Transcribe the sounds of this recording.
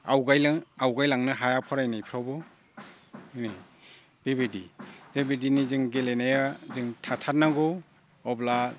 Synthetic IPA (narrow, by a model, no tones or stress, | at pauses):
awɡajlaawɡajlaŋnɯɦajapʰɔɾajnajpʰɾawbɔ | ini | b̥ebedḭzebediniziŋɡelenajazɯŋtʰatʰat̚naɡɔ | ɔbla